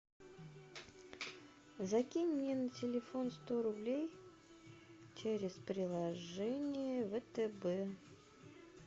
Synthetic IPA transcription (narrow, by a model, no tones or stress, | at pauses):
zɐkʲinʲːɪntʲɪlʲɪfo̞nst̪oɾʊblʲej | t͡ɕeɾʲɪspɾʲɪlˠɐʐɛnʲɪjəvət̪əbɛ